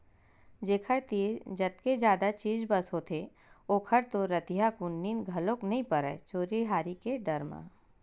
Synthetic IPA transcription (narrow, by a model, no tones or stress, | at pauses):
d͡ʒeːkʰəɾt̪iːd͡ʒɐt̪ked͡ʒjaːd̪at͡ʃiːd͡ʒbɐsɦoːt̪ʰe | oːkʰəɾt̪oɾɐt̪ijakunːiːnɡʱɐloːknɐɦĩpəɾɛ̰ːt͡ʃoːɾiɦaːɾikeɖɐɾmã̰ː